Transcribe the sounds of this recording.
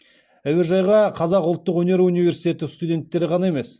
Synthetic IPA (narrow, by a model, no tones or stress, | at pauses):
æwɪɾʒɑjʁɑqʰɑzɑqʊlˠt̪ːəqwɵne̞ɾunijve̞ɾsijt̪ʲe̞t̪ɪst̪ud̪ʲe̞nt̪ːe̞ɾɪʁɑnɑe̞me̞s